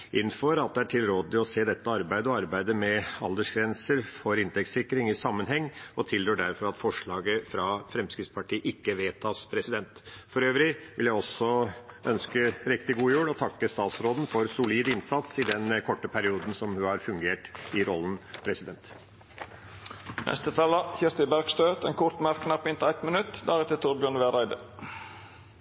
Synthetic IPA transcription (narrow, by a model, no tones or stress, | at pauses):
ʔɪnːfɔɾɑt̪̚d̪ɛæʈʰɪlɾoːd̪ɪɔseːd̪ɛt̪ːəɑɾbæɪd̪əɔɑɾbæɪd̪əmɛɑld̪əʂɡɾɛnsəɾfɔɾɪnt̪ɛk̚ssɪkːɾɪŋɪsɑmːənɦɛŋːɔt̪ʰɪld̪ɾøːɖæɾfɔɾɑt̪fɔʂɭɑːɡəfɾɑfɾɛmskɾɪt̪spʰɑʈʰiːʔɪkːəʋeːt̪ʰɑːspʰɾɛsɪd̪ɛnt̪fɔɾøːʋɾɪʋɪljæɪɔsɔœnskəɾɪk̚t̪ɪɡuːjʉːɽɔt̪ʰɑkːəst̪ɑːt̪sɾoːd̪n̩fɔɾsʊliːd̪ɪnsɑt̪sɪd̪ɛnkʰɔʈːəpʰæɾɪuːd̪n̩sɔmhʉhɑɾfʉŋɡeːʈɪɾɔlːn̩pʰɾɛsɪd̪ɛnt̪ | nɛ̰st̪ət̪ʰɑləçɪst̪əɪbæɾɡst̪øːt̪ɛḛːnkʰʊɾt̪mæɾkːnɑɾpɪnt̪æɪt̪mənʉt̪ːd̪æɾɛt̪ət̪ʰʊɾbjøːnʋeɾæɪd̪ə̰